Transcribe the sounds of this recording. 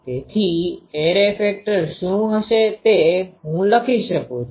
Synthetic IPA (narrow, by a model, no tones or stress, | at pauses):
t̪et̪ʰieɾefek̚ʈəɾʃũɦəʃet̪eɦũləkʰiʃəkũt͡ʃʰ